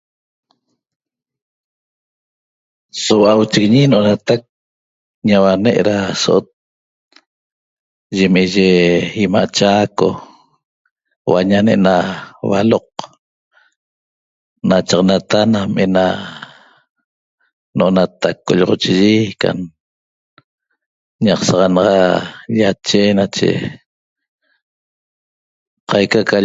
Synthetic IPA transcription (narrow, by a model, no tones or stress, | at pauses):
sowaʔawt͡ʃiɣiɲinoʔonat̪ak̚ | ɲawaneʔɾasoʔot̪̚ | ʒemeʒeimaʔt͡ʃaːko̰ | wa̰ɲaneʔnawa̰loq̚ | nat͡ʃɑʁɑnat̪anamʔena | oʔonat̪akːoʎʁot͡ʃiʒika̰n | ɲɑqsɑʁɑnɑʁɑʎat͡ʃenat͡ʃḛ | qajkaka